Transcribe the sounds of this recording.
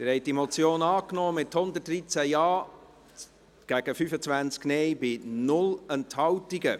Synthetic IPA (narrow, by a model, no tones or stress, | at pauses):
tɪɾhɛɪt̚dimɔt͡sjoːnɑːknɔːmɪthʊnd̪ət̚drit͡sæjɑː | ɡ̥æɡ̥əfyfət͡svænt͡sknɛjbɪnʊlɛnthɑwtiɡə